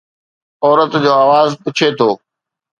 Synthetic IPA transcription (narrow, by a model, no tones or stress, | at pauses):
ɔːɾət̪d͡ʑoːaːʋaːzpʊt͡ɕʰet̪ʰoː